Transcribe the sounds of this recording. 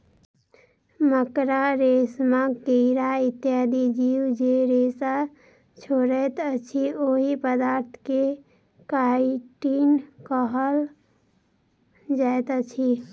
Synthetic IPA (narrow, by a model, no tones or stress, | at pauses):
məkɾaɾeːsmãkeɪɾaɪt̪jaːd̪id͡ʒiːwd͡ʒeɾeːsa | t͡ʃʰoɾɛt̪ət͡ʃʰioɦipəd̪aːɾt̪ʰke | kaːʈinkəɦəl | d͡ʒaet̪ət͡ʃʰi